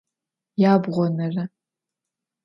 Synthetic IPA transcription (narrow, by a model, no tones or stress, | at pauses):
jaːbʁʷɔnɐrɐ